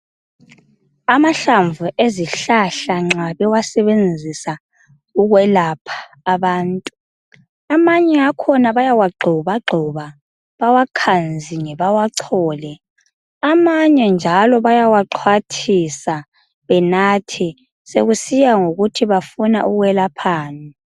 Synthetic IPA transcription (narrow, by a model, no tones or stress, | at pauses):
amaɬaɱvuʔeziɬaɬaŋ͡ǁaβɛwasɛβend͡zʱisa | uɣwɛlapʰḁː | βaːntʼu | amaɲɛakʰɔnaβajawaɡ͡ǃʱɔβaɡ͡ǃʱɔβa | βawakʰand͡zʱiŋɛβawaǀʰɔːlɛ | amaɲɛnd͡ʒʱalɔβajawaǁʰwatʰisa | βɛnatʰi | sḛɣusijaŋoɣutʰiβafuna̰ʔuɣwɛlapʰaːnɛ